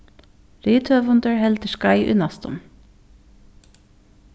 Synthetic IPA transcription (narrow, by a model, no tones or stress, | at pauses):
ɾiːt̪ʰøːʋʊnd̪əɹhɛlt̪əʃkɑɪʔʉ̰nɑst̪ʰɔ̰m